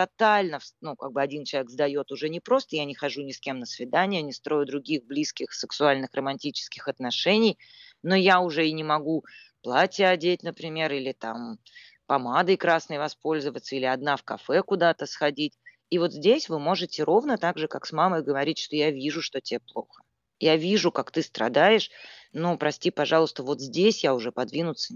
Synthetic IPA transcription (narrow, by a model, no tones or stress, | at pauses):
t̪ɐt̪alʲnəfsnuka̰ɡ̚bɨɐdʲint͡ɕlˠvʲkɡzd̪ɐjo̞t̪ʊʐɛnʲɪpɾo̞st̪əjanʲɪxɐʐunʲɪskʲe̞mnəsvʲɪd̪anʲɪjənʲɪst̪ɾo̞jʊd̪ɾʊɡʲiɣblʲiskʲɪxsɨksʊalʲnɨxrəmɐnʲtʲit͡ɕɪ̥skʲɪxɐt̪nɐʂɛnʲɪj | no̞jaʊʐɛɪnʲɪmɐɡu | plˠatʲɪəɐdʲet̚ʲnəpɾʲɪmʲe̞ɾilʲɪt̪am | pɐmad̪əjkɾasnəjvɐspo̞lʲzəvət̪sːəilʲɪɐd̪nafkɐfɛkʊd̪at̪əsxɐdʲitʲ | ivo̞t̪zʲdʲesʲvɨmo̞ʐɨtʲɪɾo̞vnət̪aɡʐɨkaksmaməjɡəvɐɾʲitʲʂt̪ojavʲiʐʊʂt̪o̞tʲɪeplˠo̞̰xə̥ | javʲiʐʊkakt̪ɨst̪ɾɐ̰d̪ajɪʂnupɾɐsʲtʲipɐʐɑlˠʊst̪əvo̞t̪zʲdʲesʲjaʊʐɛpɐd̪vʲinʊt̪sə